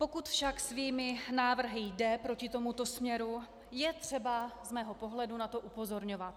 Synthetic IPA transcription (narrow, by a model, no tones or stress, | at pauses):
po̞kut̪fʃaksviːmɪnaːvr̩ɦɪjdɛpɾo̞cɪt̪o̞mut̪o̞smɲɛɾu | jɛt̪r̝̥ɛbazmɛːɦo̞po̞ɦlɛdunat̪o̞ʔupo̞zo̞ɾɲo̞vat̪̚